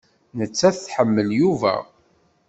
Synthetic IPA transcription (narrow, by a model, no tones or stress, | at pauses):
nət͡sːæθθħəmːəljuvæ̰